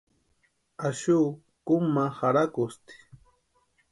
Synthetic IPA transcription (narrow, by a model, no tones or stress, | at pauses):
aʃuː | kʊmahaɾakʊst̪i̥